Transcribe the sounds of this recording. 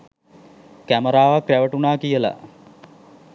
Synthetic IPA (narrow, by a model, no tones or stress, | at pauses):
kæməɾaːʋakræʋəʈunaːkijəla̰